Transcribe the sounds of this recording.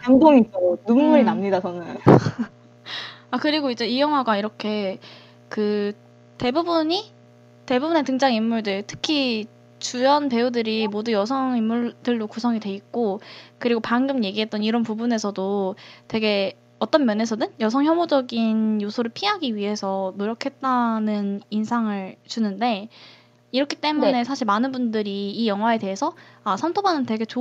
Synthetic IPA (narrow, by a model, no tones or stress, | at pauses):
kamtʰoŋitonumːuɾinamɲidasʰʌnɯ | akɯɾiɡoid͡ʑe̞ijʌŋɦwaɡaiɾʌkʰe̞ | kɯ | te̞bubuɲi | te̞bubune̞tɯŋd͡ʑaŋimːuɭdɯɭtʰɯ̥kʰi | t͡ɕujʌnpe̞udɯɾimodujʌsʰʌŋimːuɭdɯɭdokusʰʌŋidwe̞ik͈okɯɾiɡopanɡɯmje̞ɡiɦe̞t̚t͈ʌniɾʌnpubune̞sʰʌdotwe̞ɡe̞ | ʌt͈ʌnmjʌne̞s̬ʰʌnɯnjʌs̬ʰʌŋçjʌmod͡ʑʌɡinjosʰoɾɯɭpʰiɦaɡiɥiɦe̞sʰʌnoɾjʌkʰe̞t̚t͈anɯninsʰaŋɯɭt͡ɕunɯnde̞ | iɾʌkʰi̥t͈e̞mune̞sʰaɕʰiɭmanɯnbundɯɾiːjʌŋɦwae̞te̞ɦe̞sʰʌasʰantʰobanɯntwe̞ɡe̞t͡ɕo